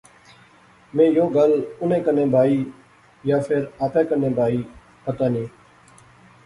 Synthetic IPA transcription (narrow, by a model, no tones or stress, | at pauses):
mẽːjoːɡəlʊnẽːkənẽːbʱaːiː | jaːfʰɪɾaːpẽːkəneːbʱaːiː | pət̪aːnĩː